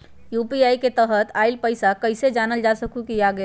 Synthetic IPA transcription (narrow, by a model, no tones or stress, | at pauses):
jupiajket̪əɦət̪aɪlpəɪsakəɪsed͡ʒanəld͡ʒasəkukiaɡe